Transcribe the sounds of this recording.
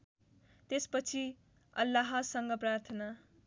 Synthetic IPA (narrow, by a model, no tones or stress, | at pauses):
t̪espʌt͡sʰi | ʌ̰lːaɦʌsʌŋɡʌprart̪ʰʌna